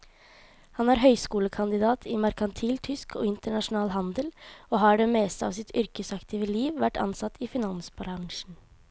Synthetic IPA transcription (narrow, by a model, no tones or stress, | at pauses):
hɑnæːɾɦœʏskuːləkʰɑnd̪ɪd̪ɑːt̪ʰɪmɑɾkɑnt̪ʰiːlt̪ʰʏskʰo̰ːɪnt̪əɳɑʂʊnɑːlɦɑnd̪əloːɦɑɖɛmeːst̪əɑ̰ʋsɪt̪ʰʏɾkəsɑkt̪ʰiːʋəliːʋʋæʈːɑ̰nsɑt̪ːʰifɪnɑnsbɑɾɑŋʂn̩